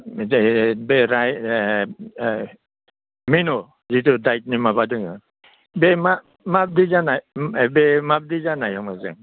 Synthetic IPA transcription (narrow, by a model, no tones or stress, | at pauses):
beɾaj | minɔ | zitudajt̚nimabadɯŋɯ | bema | map̚dizanajbemap̚dizanajɔmazɯ̰ŋ